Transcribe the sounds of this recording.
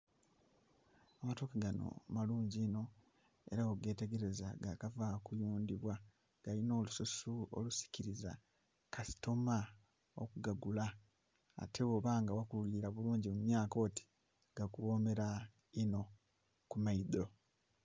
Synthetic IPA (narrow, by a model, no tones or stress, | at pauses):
amatokaɡano̰maluːɲɟino̞ | e̞̰ɾaoɡe̞ːte̞ɡe̞ɾe̞zaɡakavakujuːndiβwa | ɡ̥alino̞ːlususuo̰lusi̥ciɾiza̰ | kasi̥to̞ma | o̰kuɡaɡula̰ː | te̞oβaːŋɡawakululiɾaβuluːɲɟimumjaːko̞ti̥ | ɡ̥akuwo̞me̞ɾa | ino̞ | kumaido̞